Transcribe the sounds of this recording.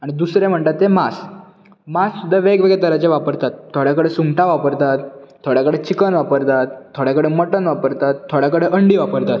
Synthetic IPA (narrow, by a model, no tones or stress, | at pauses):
aɽ̃id̪usɾem̤əɳt̪at̪ːemas | masːud̪ʱːaʋeɡʋeɡet̪əɾat͡ɕeʋapəɾt̪at̪ʰːoɽjakəɽesuŋʈaʋapəɾt̪at̪tʰːoɽjakəɽet͡ɕikənʋapəɾt̪at̪t̪ʰːoɽjakəɽeməʈənʋapəɾt̪at̪ʰːoɽjakəɽeʔəɳɖiːʋapəɾt̪at̪